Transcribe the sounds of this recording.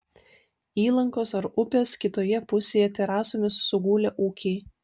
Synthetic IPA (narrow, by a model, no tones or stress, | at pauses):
iːlˠɐŋkoːsɐɾʊpʲeːskʲɪt̪oːjɛpʊsʲeːjɛt̪ʲɛɾɑːsoːmʲɪsːʊɡuːlʲɛʔuːkʲɛɪ